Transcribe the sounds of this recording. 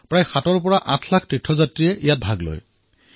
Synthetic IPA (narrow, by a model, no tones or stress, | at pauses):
pɹajxatɔɹpɔɹaʔãtʰlakʰtɹitʰːɔzatɹijɛʔijat̚bʱaɡlo̰j